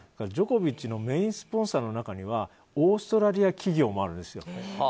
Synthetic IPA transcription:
akaɾad͡ʑo̞ko̞bʲit͡ɕino̞me̞ĩsɨ̥põ̞ɰ̃saːno̞nakaɲ̟iβa | o̞ːsɨ̥t̪o̞ɾaɾʲiakʲiɡʲo̞ːmo̞aɾɯ̟̃nd̪esɨjo̞̰

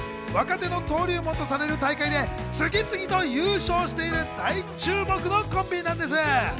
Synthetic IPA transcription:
βakat̪e̞no̞t̪o̞ːɾʲɯːmo̞t̪ːo̞saɾe̞ɾɯ̟t̪aikaid̪e̞ | sɨɡʲit͡sɨɡʲit̪o̞jɯːɕo̞ːɕi̥t̪e̞iɾɯ̟d̪̥ait͡ɕɨːmo̞kɯ̟no̞kõ̞mbʲiɲʲnãnd̪e̞sɨ

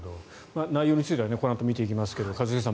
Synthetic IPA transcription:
d̪o | manaijo̞ːɲ̟it͡sɨit̪eβaneko̞ɾãnt̪o̞mʲit̪e̞ikʲimasɨ̥ke̞d̪o̞kazɨsesã

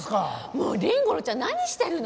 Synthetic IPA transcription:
kamoːɾẽŋɡoɾot͡ɕãnaɲ̟iɕi̥t̪aɾɯ̟n

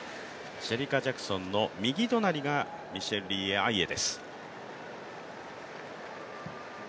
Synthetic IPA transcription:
ɕeɾʲikad͡ʑakɯ̟̥sõ̞nːo̞mʲiɡʲit̪o̞naɾʲiɡa | mʲiɕe̞ɾɯɾʲiːeaie̞d̪e̞sɨ̥

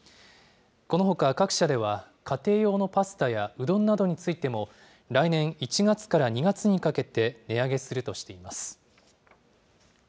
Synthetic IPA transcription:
ko̞no̞ɦo̞kakakɯ̟̥ɕad̪e̞β̞a | kʰat̪e̞ːjo̞ːno̞pasɨ̥t̪ajaɯ̟d̪õ̞nːad̪o̞ɲ̟it͡sɨit̪e̞mo̞ | ɾainẽ̞ɰ̃it͡ɕiɡat͡sɨ̥kaɾaɲ̟iɡat͡sɨɲ̟ikake̞t̪e̞ne̞aɡe̞sɨɾɯ̟t̪o̞ɕi̥t̪e̞imasɨ̥

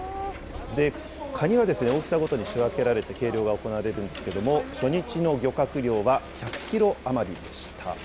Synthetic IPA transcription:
d̪e̞ | kʰaɲ̟iβad̪e̞sɨne̞o̞ːkʲi̥saɡo̞t̪o̞ɲ̟iɕiβake̞ɾaɾe̞t̪e̞ke̞ːɾʲjo̞ːɡao̞ko̞naβaɾe̞ɾɯ̟̃nd̪e̞sɨ̥ke̞d̪o̞mo̞ɕo̞ɲ̟it͡ɕino̞ɡʲo̞kakɯ̟ɾʲo̞ːβaçakɯ̟̥kʲiɾo̞amaɾʲid̪e̞ɕi̥t̪ʰa̰

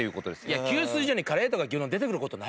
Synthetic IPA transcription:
ejɯ̟ːko̞t̪od̪esɨiakʲɨːsɨːiʑo̞ːɲ̟ikaɾe̞ːt̪o̞ɡaɡʲiõnd̪e̞t̪ekɯɾɯ̟ko̞t̪o̞na

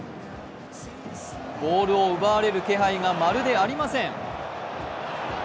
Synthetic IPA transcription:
bo̞ːɾɯ̟o̞ɯ̟baːɾe̞ɾɯ̟ke̞ɦaiŋamaɾɯ̟d̪e̞aɾʲimasẽ̞ŋ

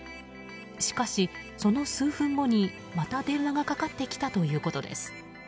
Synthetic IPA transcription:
ɕi̥kaɕi | so̞no̞sɨːɸɯ̟̃ŋɡo̞ɲ̟i | mat̪ad̪ẽ̞nːaɡakakat̪ːe̞kʲi̥t̪at̪o̞jɯ̟ːko̞t̪o̞d̪ḛsɨ̥

